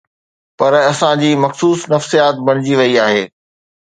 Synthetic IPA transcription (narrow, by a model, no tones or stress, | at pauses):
pɐɾɐsãd͡ʑiːmɐxsuːsnɐfsijaːt̪̚bʱɐɽ̃ɪd͡ʑiʋɐiaːɦeː